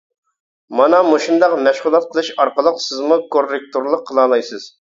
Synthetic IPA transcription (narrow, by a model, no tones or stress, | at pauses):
mɑnɑmoʃund̪ɑqmɛʃʁulˠɑt̪̚qʰəlˠɨʃɑɾqəlˠəqsɪzmukorːek̚t̪oɾlˠəqʰːəlˠɑːlˠɑjsɨz̥